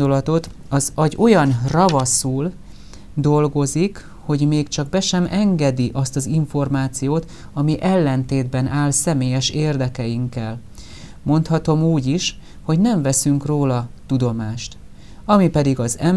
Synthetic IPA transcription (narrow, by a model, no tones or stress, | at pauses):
d̪olɒt̪o̞t̪ | ɒzɒɟo̞jɒnrɒvɒsuːl | d̪o̞lɡo̞zik | ho̞ɟmeːkt͡ʃɒɡ̚bɛʃɛmʔɛŋɡɛd̪iʔɒst̪ɒziɱfo̞rmaːt̪sijoːt̪ | ɒmiʔɛlːɛnt̪eːd̪bɛnʔaːlsɛmeːjɛʃeːrd̪ɛkɛjiŋkːɛl | mo̞nt̪hɒt̪o̞muːɟiʃ | ho̞ɟnɛɱvɛsyŋkroːlɒt̪ud̪o̞maːʃt̪ | ɒmipɛd̪iɡɒzɛm